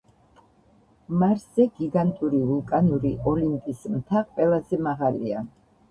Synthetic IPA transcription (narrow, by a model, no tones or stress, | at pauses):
maɾszɛɡiɡant̪ʼuɾivulˠkʼanuɾiʔɔlinp̪ʼismt̪ʰaqʼwɛlˠazɛmaʁalia